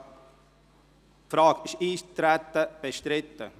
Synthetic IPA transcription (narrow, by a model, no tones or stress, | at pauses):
fɾɑːɡɪʃiːt̪ɾæt̪ːəb̥eʃtɾɪt̪ːə̰